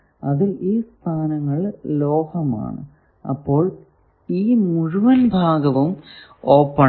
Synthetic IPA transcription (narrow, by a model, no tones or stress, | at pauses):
ɐðiliːst̪ʰaːnɐŋːɐɭloːhɐma̰ːɳɨ̰ | ɐ̰pːo̞ːɭ | iːmuɻuʋɐnbʱaːɡɐʋumoːpːɐ